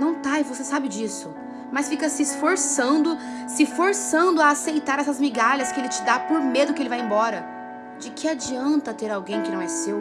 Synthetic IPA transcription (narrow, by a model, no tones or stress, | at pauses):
nɐ̃w̃t̪aivosesabɪd͡ʒisʊ | mɐsfikɐsɪːsfoɾsɐ̃nd̪ʊ | sɪfoɾsɐ̃nd̪ʊaːsejt̪aɾɛsɐzmiɡaʎɐskɪelɪt͡ʃɪd̪apoɾmed̪ʊkɪelɪvajẽbɔɾɐ | d͡ʒɪkʰɪad͡ʒiɐ̃nt̪ɐt̪eɾawɡẽj̃kɪnɐ̃w̃ɛsew